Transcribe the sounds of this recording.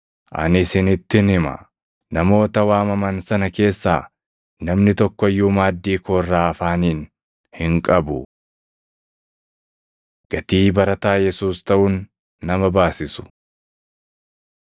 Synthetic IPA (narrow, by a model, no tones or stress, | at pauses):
ʔɐ̰nɪsɪnɪt̪ːɪnhɪmɐ̰ | nɐmo̞ːt̪ɐwaːmɐmɐnsɐnɐke̞ːsːaː | nɐmnɪt̪ɔkːɔjːuːmaːd̪ːiːkoːrːaːɐfaːniːn | hɪŋkʼɐbʊ | ɡ̥ɐt̪iːbɐɾɐt̪aːjɛsuːst̪ɐʔʊnː | ɐmɐbaːsɪsʊ̥